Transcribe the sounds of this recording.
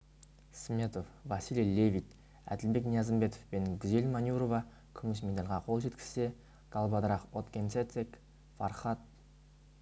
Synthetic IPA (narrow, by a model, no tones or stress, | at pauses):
smʲe̞t̪o̞fvɑsilʲlʲe̞vʲit̪ | æ̰d̪ɪlbe̞knijazəmbe̞t̪ofpe̞nɡʲʏze̞lʲmanʲjuɾo̞vɑ | kʲʰʏmɪs̬med̪alʲʁɑqʰo̞lˠʒe̞t̪kʲɪ̥z̥se̞ | ɡ̥ɑlˠbɑd̪ɾɑqot̪kʲent̪set̪ek | fɑrχɑt̪̚